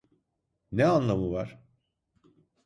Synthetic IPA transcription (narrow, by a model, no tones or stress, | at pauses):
neanlˠamɯvaɾ̥